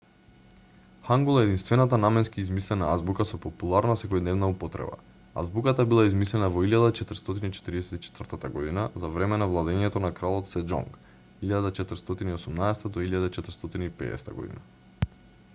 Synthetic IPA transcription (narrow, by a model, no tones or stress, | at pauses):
xaŋɡulˠaɛd̪inst̪vɛnat̪anamɛnskiːzmislɛnaazbukasɔpɔpulˠaɾnasɛkɔjd̪nɛvnaupɔt̪ɾɛ̰ba̰ | a̰zbukat̪abilˠaizmislɛnavɔiljad̪at͡ʃɛt̪ɾ̩st̪ɔt̪init͡ʃɛ̥t̪ɾiɛsɛt̪it͡ʃɛ̥t̪vərt̪at̪aɡɔd̪inazavɾɛmɛnavlˠad̪ɛɲɛt̪ɔnakɾalˠɔt̪sɛd͡ʒɔ̰ŋk | iʎad̪at͡ʃɛt̪əɾ̩st̪ɔt̪iniosumnaɛsɛ̥t̪ad̪ɔiʎjad̪at͡ʃɛt̪ɾ̩st̪ɔt̪iniːpɛ̰ːɛ̰sɛ̥t̪aɡɔ̰d̪ḭna